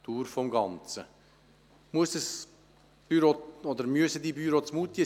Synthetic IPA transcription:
t̪uːɾfɔmɡɑnt͡sə | muəsd̥əs | b̥yɾoɔd̪əɾmyəsəd̪ibyɾot͡smut̪jə

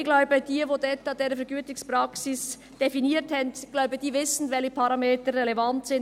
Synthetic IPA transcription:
ɡlaʊbəd̥iːvoːdɛtad̥eːɾəfɛɐɡyːtɪŋspʁaksɪs | d̥efiniːthɛntɡ̥laʊbəd̥iːvɪsn̩vɛlçəpʰɑɾɑmeːtəɾːɛlɛvantsɪn

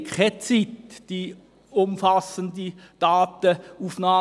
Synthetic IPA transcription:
kχɛt͡sitd̥i | ʊmfɑsəndid̥ɑːtəufnɑː

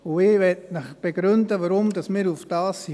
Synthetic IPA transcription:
ʊɪːʋɛtnəχb̥eɡɾʏndəʋaɾʊmdɑsmɪːɾufd̥ɑːsːi

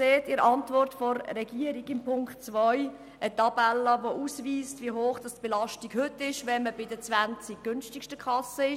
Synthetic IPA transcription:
seːtɪɾɑntvɔrtfɔrrɛɡ̥iəɾiɡɪmpʰʊŋktt͡sʋɔj | ʔətɑbɛlːəvoʔusʋiːstviəɦoːχd̥ɑstb̥elɑʃtiɡhʏtːɪʃʋɛnməbɪdət͡sʋænt͡sik̚ɡ̥ʏnʃtɪkʃtəkχɑsəɪ

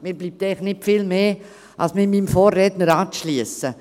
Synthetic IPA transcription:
miːɾbliːp̚tɛɪχnɪtfɪlmeː | ʔɑ̰lsmɪmimfoːrːɛtnəɾaːtʃliəsə

